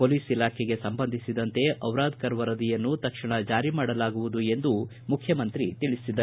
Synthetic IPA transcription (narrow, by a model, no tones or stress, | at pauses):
poːliːsilaːkʰɛɡe̞sɐmbɐnd̪ʱisid̪ɐnt̪e̞ʔɐwɾaːd̪̚kɐɾʋɐɾɐd̪ijɐnːut̪ɐkʂiɳɐd͡ʒaːɾimaːɽɐlaːɡuʋud̪ue̞nd̪u | mukʰjɐmɐnt̪ɾit̪iɭisid̪ɐ